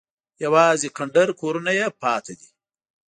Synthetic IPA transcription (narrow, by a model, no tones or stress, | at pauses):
jɐwɑːzikaɳɖɐɾkʰoɾunajepɑːt̪ʰad̪i